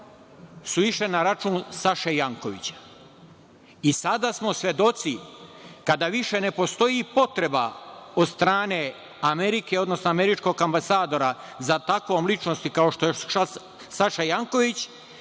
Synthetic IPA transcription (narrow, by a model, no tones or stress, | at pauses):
suiʃlenaɾat͡ʃuːnsaʃejaŋko̞ʋḭt͡ɕḁ | isad̪asmo̞sʋje̞d̪o̞t̪sikad̪aʋiʃe̞ne̞po̞st̪o̞jipo̞t̪ɾe̞bao̞d̪st̪ɾaːne̞ | ame̞ɾikeo̞d̪no̞snoame̞ɾit͡ʃko̞ɡambasaːd̪o̞ɾa | zat̪akʋomlit͡ʃnost̪ikao̞ʃt̪oea | saʃajaŋko̞ʋit͡ɕ